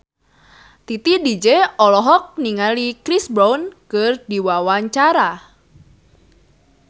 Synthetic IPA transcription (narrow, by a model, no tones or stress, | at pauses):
t̪it̪idid͡ʒeɔlɔɦɔk̚niŋalikɾisbɾaunkərdiwawaɲt͡ʃaɾa